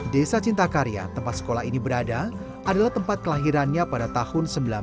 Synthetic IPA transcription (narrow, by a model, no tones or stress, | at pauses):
desat͡ʃint̪akaɾija̰t̪əmpat̪sə̥kolaɦinibəɾada | adalaht̪əmpat̪̚kəlaɦiɾanɲapadat̪ahʊnsəmbila